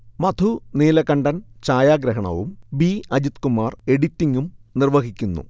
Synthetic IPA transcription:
mɐt̪ʰuneːlɐkɐɳɖɐnt͡ɕaːjaːɡɾɐɦɐɳɐ̰ʋumbiːɐd͡ʑit̪kumaːre̞ɽit̪ːiŋɡumnirʋɐɦikʲːunːṵ

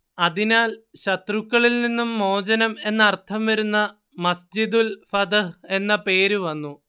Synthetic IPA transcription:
ɐðinaːlɕɐt̪rukːɐɭilninːumːo̞ːd͡ʑɐnɐme̞nːɐːrt̪ʰɐmʋɐɾunːɐ | mɐsd͡ʑid̪ulfɐd̪ɐɦe̞nːɐpe̞ːɾuʋɐnːu

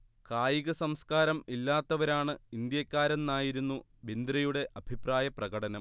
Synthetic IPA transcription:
kaːjiɣɐsɐmskaːɾɐmilːaːt̪ːɐʋɐɾaːɳɨind̪jɐkʲːaːɾɐnːaːjiɾunːu | bind̪ɾɐjuɽe̞ʔɐbʱipraːjɐprɐɣɐɽɐnɐm

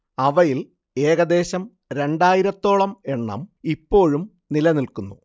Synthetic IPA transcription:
ɐʋɐjil | e̞ːɣɐd̪e̞ːɕɐm | ɾe̞ɳɖaːjiɾɐt̪ːo̞ːɭɐme̞ɳːɐ̰mipːo̞ːɻum | nilɐnilkunːu

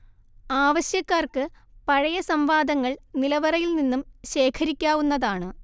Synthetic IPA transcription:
aːʋɐɕjɐkːaːrkɨpɐɻɐjɐsɐmʋaːd̪ɐŋːɐɭnilɐʋɐrɐjilninːumɕe̞ːkʰɐɾikʲːaːʋunːɐðaːɳɨ

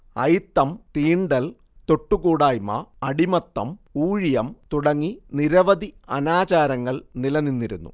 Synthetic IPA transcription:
ɐ̰jt̪ːɐmt̪iːɳɖɐl | t̪o̞ʈːukuːɽaːjmɐ̰ɐɽimɐt̪ːɐ̰muːɻjɐmt̪uɽɐŋːiniɾɐʋɐd̪iɐnaːt͡ɕaːɾɐŋːɐɭnilɐninːiɾunːṵ

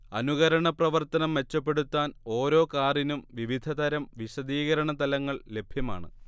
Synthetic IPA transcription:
ɐnuɣɐɾɐɳɐprɐʋɐrt̪ɐnɐmʋe̞t͡ɕːɐpːe̞ɽut̪ːaːno̞ːɾo̞ːkaːrinumʋiʋid̪ʱɐd̪ɐɾɐmʋiɕɐd̪iːɣɐɾɐɳɐt̪ɐlɐŋːɐɭle̞bʱjɐma̰ːɳɨ

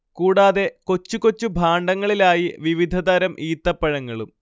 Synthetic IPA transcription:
kuːɽaːðe̞ko̞t͡ɕːuko̞t͡ɕːubʱaːɳɖɐŋːɐɭilaːjiʋiʋid̪ʱɐd̪ɐɾɐmʔiːt̪ːɐpːɐɻɐŋːɐɭum

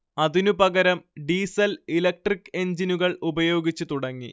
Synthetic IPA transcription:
ɐðinupɐɡɐɾɐmɖiːsɐlilɐk̚ʈrikːe̞ɲd͡ʑinuɣɐɭubɐjo̞ːɡit͡ɕːut̪uɽɐŋːḭ

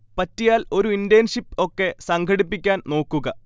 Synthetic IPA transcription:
pɐtːijaːlo̞ɾuindejɐnʂipːo̞kːe̞sɐŋɡʰʱɐɽipːikʲːaːnno̞ːkːuɣɐ

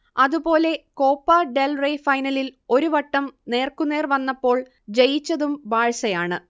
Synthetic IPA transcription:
ɐðupo̞ːle̞ko̞ːpːɐɖelrejfɐjnɐlilo̞ɾuʋɐʈːɐmne̞ːrkunːe̞ːrʋɐnːɐpːo̞ːɭ | d͡ʑejit͡ɕːɐðumbaːɻsɐjaːɳɨ

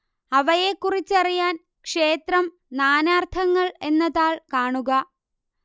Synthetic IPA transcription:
ɐʋɐje̞kːurit͡ɕːɐrijaːn | kʂe̞ːt̪rɐm | naːnaːrt̪ʰɐŋːɐɭe̞nːɐðaːɭkaːɳuɣɐ

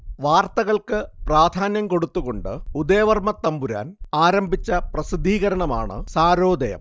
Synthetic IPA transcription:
ʋaːrt̪ɐɣɐɭkɨpraːd̪ʱaːnjɐmko̞ɽut̪ːuɣo̞ɳɖɨ̰ud̪eːʋɐrmɐt̪ːɐmbuɾa̰ːnaːɾɐmbʱit͡ɕːɐprɐsid̪ʱːiːɣɐɾɐɳɐma̰ːɳɨ̰saːɾo̞ːd̪ɐjɐ̰m

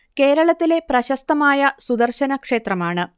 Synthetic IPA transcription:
ke̞ːɾɐɭɐt̪ːile̞prɐɕɐst̪ɐmaːjɐsud̪ɐrɕɐnɐkʂe̞ːt̪rɐmaːɳɨ

